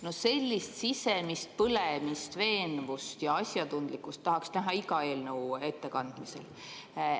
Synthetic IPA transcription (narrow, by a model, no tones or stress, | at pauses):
no̞se̞lʲːist̪sise̞mist̪̚pɤlemist̪ve̞ːnvust̪jɑɑsʲjɑt̪und̪̥likːˑust̪ːɑɦɑksnæɦɑiɡɑe̞ːlnəwe̞t̪ːe̞kɑnd̪̥mise̞̰l